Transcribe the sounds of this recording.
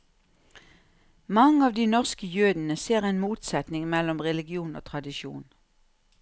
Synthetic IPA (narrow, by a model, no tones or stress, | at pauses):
mɑŋːəɑːʋd̪iːnɔʁskəjøːd̪n̩əseːʁɛɪnmuːt̪sɛt̪nɪŋmɛlɔmʁɛlɪɡɪuːno̰ːt̪ʰʁɑd̪ɪʃṵːn